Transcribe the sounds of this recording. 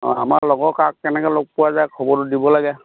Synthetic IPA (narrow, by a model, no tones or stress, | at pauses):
ɔ̰a̰malɔɡɔkak̚ːɛnɛkɛlok̚puwazajkʰɔbɔɹɔdibɔlaɡɛ